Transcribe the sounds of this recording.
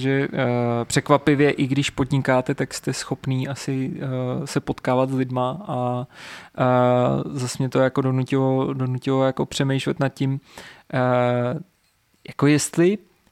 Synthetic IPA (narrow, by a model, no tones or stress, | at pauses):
ʒɛpr̝̥ɛkvapɪvjɛʔɪɡdɪʃpo̞dɲɪkaːt̪ɛt̪akst̪ɛsxo̞pniːʔasɪ | sɛpo̞t̪kaːvat̪zlɪdmaʔa | zasmɲɛt̪o̞jako̞do̞nucɪlodo̞nucɪlojako̞pr̥ɛmɛjʃlɛt̪nat̪̚cɪm | jako̞jɛst̪lɪ